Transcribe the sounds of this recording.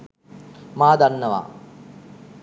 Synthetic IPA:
maːd̪anːəʋa̰ː

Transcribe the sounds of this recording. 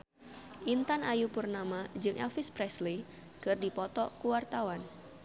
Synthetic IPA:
ʔint̪anajupurnamad͡ʒɨŋʔɛ̰lfɪspɾɛsli | kɨrdipɔt̪ɔkuwart̪awan

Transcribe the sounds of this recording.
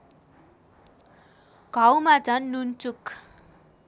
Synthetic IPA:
ɡ̥ʱawmat͡sʌnːunt͡suk

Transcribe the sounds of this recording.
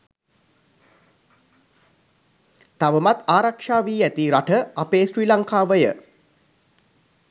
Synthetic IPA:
t̪aʋəmat̪aːɾakʂaːʋiːæt̪iɾaʈəapeːʃɾiːlaŋkaːʋəjə̰

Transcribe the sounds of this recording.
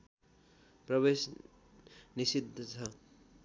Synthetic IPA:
prʌβes | nisid̪ʱːʌt͡sʰʌ

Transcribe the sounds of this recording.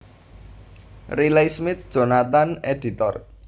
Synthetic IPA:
rilejsmɪt̪̚d̥ʒ̥o̤nat̪aneɖi̤t̪ɔr

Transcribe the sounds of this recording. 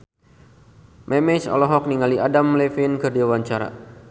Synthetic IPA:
mɛmɛt͡ʃɔ̰lɔɦɔk̚niŋaliʔadamlefinkərdiawaɲt͡ʃaɾa̰

